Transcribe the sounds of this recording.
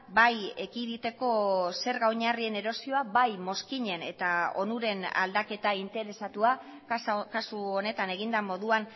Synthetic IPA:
bajekiðit̪e̞ko̞se̞ɾɣawɲarie̞ne̞ɾo̞sio̞abajmo̞skiɲe̞ne̞t̪ao̞̰nuɾe̞na̰ld̪ake̞t̪aint̪e̞ɾe̞sat̪ua | kasuo̞ne̞t̪ane̞ɣ̞ind̪amo̞ðuan

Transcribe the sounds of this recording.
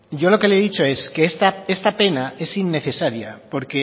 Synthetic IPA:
jo̞lo̞ke̞leeðit͡ʃo̞e̞skeest̪ae̞st̪ape̞nae̞sinːe̞θe̞saɾja̰po̞ɾke̞

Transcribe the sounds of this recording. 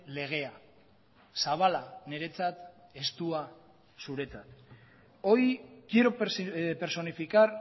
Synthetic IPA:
le̞ɣ̞e̞a | saβ̞alane̞ɾe̞t͡sat̪e̞st̪ua | suɾe̞t͡sat̪ | o̞jkiɾope̞ɾso̞nifikaɾ

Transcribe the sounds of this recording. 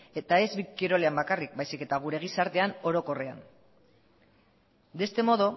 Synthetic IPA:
et̪ae̞zβikiɾole̞ambakarik̚bajsike̞t̪aɣ̞uɾe̞ɣ̞isaɾt̪e̞ano̞ɾo̞ko̞re̞a̰n | d̪e̞st̪e̞mo̞ðo

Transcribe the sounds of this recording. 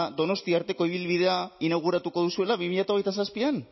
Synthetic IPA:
d̪o̞no̞st̪iaːɾt̪e̞ko̞iβ̞ilβiðe̞ainaɣ̞uɾat̪uko̞ð̞usue̞laβimiʎat̪ao̞ɣ̞ejt̪asaspian

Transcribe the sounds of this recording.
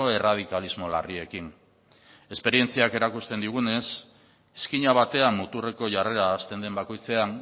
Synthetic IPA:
o̞e̞rað̞ikalizmo̞la̰rie̞kin | e̞spe̞ɾie̞nt͡siake̞ɾakust̪e̞nd̪iɣ̞une̞s | eskiɲaβ̞at̪e̞amːut̪ure̞ko̞ʝare̞ɾaːst̪e̞nd̪e̞mbako̞jt͡se̞aŋ

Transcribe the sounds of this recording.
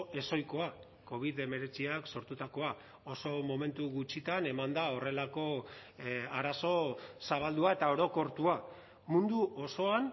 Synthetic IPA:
e̞so̞jko̞a | ko̞β̞iðe̞me̞ɾe̞t͡siakso̞ɾt̪ut̪ako̞a | o̞so̞mo̞me̞nt̪uɣut͡ʃit̪ane̞mand̪ao̞re̞lako̞ | aɾaso̞saβald̪uae̞t̪ao̞ɾo̞ko̞ɾt̪ua | mund̪uʔo̞so̞an

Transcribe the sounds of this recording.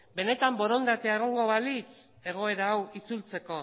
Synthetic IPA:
be̞ne̞t̪ambo̞ɾo̞nd̪at̪eaeɣ̞o̞ŋɡo̞βalit͡s | e̞ɣ̞o̞e̞ɾaːwit͡sult͡se̞ko̞

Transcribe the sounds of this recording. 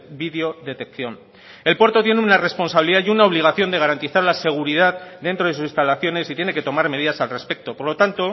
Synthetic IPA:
biðeo̞ðe̞t̪e̞k̚θjon | e̞lpwe̞ɾt̪o̞t̪je̞neunare̞spo̞nsaβiliðajunao̞βliɣ̞aθjo̞nd̪eaɾant̪iθaɾlase̞ɣ̞uɾiðaðd̪e̞nt̪ɾoðesusist̪alaθjo̞ne̞sit̪je̞ne̞ke̞t̪o̞maɾme̞ðiðasalre̞spe̞k̚t̪o̞po̞ɾlo̞t̪ant̪o̞

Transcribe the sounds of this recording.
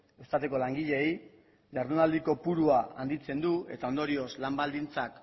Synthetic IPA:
e̞st̪at̪eko̞laŋɡiʎe̞j | ʎaɾðunald̪iko̞puɾuaa̰nd̪it͡se̞nd̪ue̞t̪ao̞nd̪o̞ɾio̞slambald̪int͡sak

